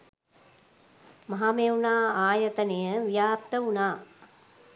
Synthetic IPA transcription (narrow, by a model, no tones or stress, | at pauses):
maɦameunaːaːjət̪ənejəʋijaːp̚t̪əunaː